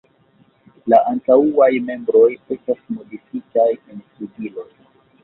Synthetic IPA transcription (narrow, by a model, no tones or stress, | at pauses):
laʔantauajme̞mbɾo̞je̞stasmo̞difikajenstudilo̞j